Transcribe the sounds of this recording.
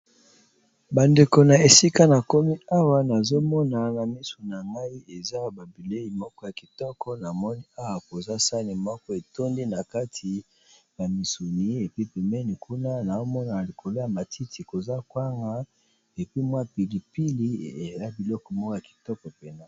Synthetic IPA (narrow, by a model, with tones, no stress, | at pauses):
ba˨nde˨ko˨na˨e˨si˦ka˦na˨ko˦mi˦a˦wa˦na˨zo˦mɔ˦na˨na˨mi˦su˨n˨a˨ŋa˦i˦e˨za˦ba˨bi˨le˦ji˨mɔ˦kɔ˦ja˨ki̥˨tɔ˦kɔ˦na˨mɔ˦ni˦a˦wa˨ko˨za˦sa˦ni˨mɔ˦kɔ˦e˨to˦ndi˦na˨ka˦tʰi˨ | ja˨mi˨su˨ni˨˦e˨pi˦pɛ˨mɛ˦ni˨kʰu˦na˦na˨o˦mɔ˦na˨li˨kʰo˨lo˦ja˨ma˨tʰi˦ti˨ko˨za˦kwa˦ŋɡa˦ | e˨pi˦mwa˦pi˨li˨pi˦li˦e˨za˦bi˨lɔ˦kɔ˨mɔ˦kɔ˦ja˨ki̥˨tɔ˦kɔ˨pe˨na˦